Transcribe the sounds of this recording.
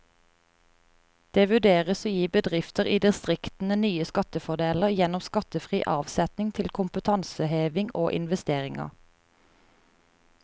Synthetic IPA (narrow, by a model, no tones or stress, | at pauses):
d̪̥eːʋʉɖ̪eːʁəsoːjiːbəd̪ʁɪft̪əʁiːd̪ɪst̪ʁɪkt̪n̩ənyːəskɑt̪əfɔd̪eːləʁjɛnɔmskɑt̪əfʁiːʔɑːʋsɛt̪nɪŋt̪ʰɪlkʰʊmpət̪ʰɑnsəheːʋɪŋoːʔɪ̰nʋɛst̪eːʁɪŋɑ̰